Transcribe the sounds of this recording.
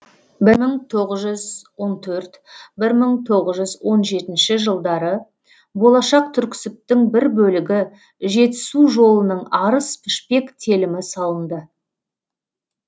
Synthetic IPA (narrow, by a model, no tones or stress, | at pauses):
bɪɾməɴt̪ʰo̞ʁəzʒʏzwo̞nt̪ʰɵɾt̪ | bɪɾməɴt̪ʰo̞ʁəzʒʏzwo̞nʒe̞t̪ɪnʃɪʒəlˠd̪ɑɾə | bo̞lˠɑʃɑq̚t̪ʰʏɾkʲɪ̥sɪp̚t̪ɪŋbɪɾbɵlɪɡʲɪ | ʒe̞t̪ɪ̥suʒo̞lˠənəɴɑɾəspʰɪʃpe̞kt̪ʰe̞lɪmɪsɑlˠənd̪ə